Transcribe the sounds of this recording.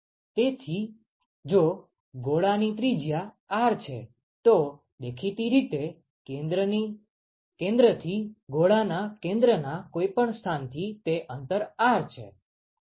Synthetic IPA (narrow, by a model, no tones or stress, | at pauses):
t̪et̪ʰi | d͡ʒo | ɡoɭanit̪ɾid͡ʒja | aɾt͡ʃʰḛ | t̪o | d̪ekʰit̪iɾit̪e | d̪əni | kẽnd̪ɾət̪ʰiɡoɭanakẽnd̪ɾənakoipəɳst̪ʰant̪ʰit̪eʔənt̪əɾaɾt͡ʃʰḛ